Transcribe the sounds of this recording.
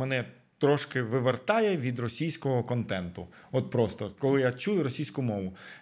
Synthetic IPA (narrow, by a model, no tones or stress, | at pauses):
mɛnɛ | t̪ɾɔʃkɪʋɪʋert̪ɑjɛʋʲid̪rɔsʲijsʲkɔɦɔkɔnt̪ɛnt̪ʊ | ɔt̪̚pɾɔst̪ɔkɔlˠɪjat͡ʃujʊɾɔsʲijsʲkʊmɔʋʊ